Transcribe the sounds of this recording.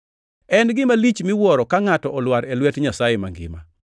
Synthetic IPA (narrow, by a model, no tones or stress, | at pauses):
ɛnɡɪmalit͡ʃmɪwɔɾɔkaŋatɔʔɔlwaɾɛlwɛtɲasajema̰ŋɡɪ̰ma̰